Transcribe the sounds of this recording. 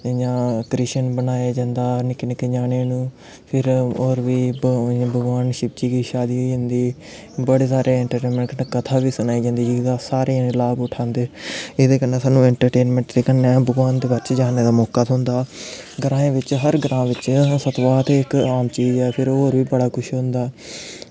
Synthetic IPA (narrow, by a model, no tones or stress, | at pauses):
jãːkɾiːʃənbənaːjaːd͡ʒãːnd̪aːnɪknɪkd͡ʒaːneːnũː | pʰɪɾoːɾʋiːbəɡʋaːnʃɪb̚d͡ʒiːkiːʃaːd̪iːɦoiːd͡ʒə̃ːnd̪iː | bəɽeːsaːɾʔeːɛːɳʈəɾʈeːnmẽɳkənekət̪ʰaːʋiːsʊnaːiːd͡ʒãːnd̪iːd͡ʒɪd̪aːsaːɾeːlaːbʊʈʰãːnd̪eːɪd̪eːkənːeːsaːnũːɛ̃ːɳʈəɾʈeːnmɛ̃ɳʈd̪eːkənːeːbəɡʋaːnd̪eːbəɾt͡ʃd͡ʒaːneːd̪aːmɔːkaːt̪õːnd̪aːɡəɾãːẽːʋɪt͡ʃɦəɾɡɾãːʋɪt͡ʃsət̪ʋaːt̪eːɪkaːmt͡ʃiːd͡ʒɛːpʰɪɾoːɾʋiːbəɽaːkʰʊʃɦʊ̃nd̪aː